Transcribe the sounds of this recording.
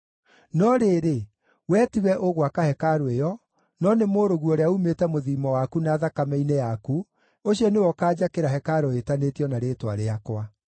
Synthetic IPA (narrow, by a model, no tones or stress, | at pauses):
nɔɾeːɾe | wɛtiwɛʔoɣwakahɛkaɾoejɔ | nɔnemoːɾoɣuɔɾeaumetɛmoðimɔwakunaːðakamɛinejaku | oɕiɔnewɔkaːd͡ʑakeɾaɦɛkaɾɔetanetiɔnaɾeːtwa̰ɾeakwa